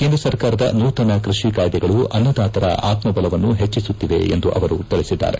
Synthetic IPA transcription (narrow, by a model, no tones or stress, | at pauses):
keːnd̪ɾɐsɐɾkaːɾɐd̪ɐ̰nuːt̪ɐnɐkɾiʂikaːjd̪ɛɡɐɭuɐnːɐd̪aːt̪ɐɾɐ̰ʔaːt̪mɐbɐlɐʋɐnːuɦet͡ʃːisut̪ːid̪e̞̰ḛnd̪uʔɐʋɐɾut̪iɭisid̪ːa̰ːɾe